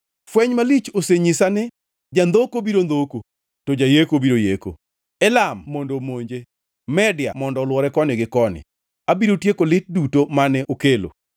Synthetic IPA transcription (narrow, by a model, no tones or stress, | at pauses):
fwɛɲmalit͡ʃoseɲisanɛ | d͡ʒand̪okobiɾond̪oko | tod͡ʒajekobiɾojeko̰ | ɛlamːondomoɲd͡ʒe | mɛdɪja̰mɔndɔlwɔɾɛkɔnɪɡɪkɔnɪ̰ | abiɾotjekolɪt̚dutomanɛʔokelo̰